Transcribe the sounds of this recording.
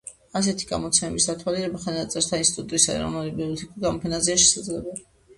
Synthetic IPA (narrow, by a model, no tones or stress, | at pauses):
as̬ɛt̪ʰi̥ɡa̰mɔt̪sʰɛmɛmisd̪at̪ʰwaliɾɛbaχanat̪sʼɛɾt̪ʰainsi̥t̪ʼut̪ʼɾisaɛ̰ɾɔ̰nulibiɔt̪ʰikʼuɡamɔpʰɛnazɛaʃɛ̥sad̪zlɛbɛli